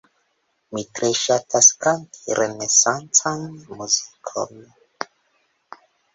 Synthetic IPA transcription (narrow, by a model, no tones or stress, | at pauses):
mit̪ɾeʃat̪askantiɾʔenesãnt͡sanmuzikʰɔme